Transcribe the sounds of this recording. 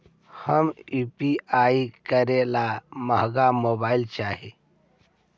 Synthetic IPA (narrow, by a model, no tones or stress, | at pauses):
həmupiaːikəɾelaməɦɡamoːbaːilt͡ʃaːɦi